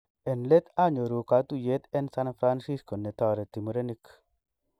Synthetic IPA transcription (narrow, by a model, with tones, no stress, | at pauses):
e˨nle˦t̪a˦ɲo˨ɾu˨ka˨t̪u˦je˨˦t̪e˦nsa˦nfɾa˦nsi˦sko˨ne˨tɔ˨ɾe˨ti˨mu˨ɾe˦ni˦k